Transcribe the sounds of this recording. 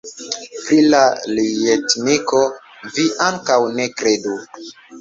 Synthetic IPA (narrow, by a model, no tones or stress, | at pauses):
pɾilalietniko̞ | viʔaŋkawne̞kɾe̞du